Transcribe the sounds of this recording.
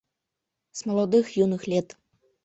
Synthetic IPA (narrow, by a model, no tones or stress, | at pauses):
zmɐlˠɔd̪ɨxjunɨxlʲɛt̪